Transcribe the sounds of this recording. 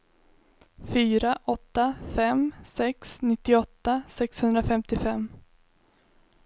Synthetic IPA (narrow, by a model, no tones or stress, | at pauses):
fyːɾaʔɔt̪ːafɛmsɛksnɪt̪ːɪɔt̪ːasɛkshɵnd̪ɾafɛmt̪ɪfɛmː